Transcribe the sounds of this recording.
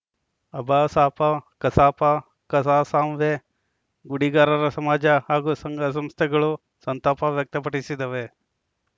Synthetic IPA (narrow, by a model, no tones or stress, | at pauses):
ɐbʱaːsaːpɐkɐsaːpɐ | kɐsaːsaːmʋe | ɡuɽiɡaːɾɐɾɐsɐmaːd͡ʒɐhaːɡusɐŋɡɐs̬ɐmst̪ʰɛɡɐɭu | sɐnt̪aːpɐʋjɐk̚t̪ɐpɐʈisid̪ɐʋe